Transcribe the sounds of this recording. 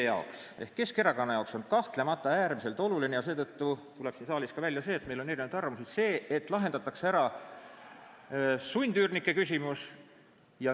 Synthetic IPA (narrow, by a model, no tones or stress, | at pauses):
jɑokse̞hkːe̞ske̞ɾɑkɑnːɑjɑokso̞nd̥̪̚kɑht̪le̞mɑt̪ːˑɑæːrmise̞lt̪ˑo̞lulinejɑse̞ːt̪ɤt̪ːut̪ule̞̥sinsɑːlʲiskɑvælʲjɑse̞ːt̪me̞jloneɾinnud̪ɑrvɑmusise̞ːet̪ːˑlɑɦend̪ɑt̪ːˑɑkseæɾɑ | sunʲd̪yːrnikːˑe̞kysʲimus | jɑ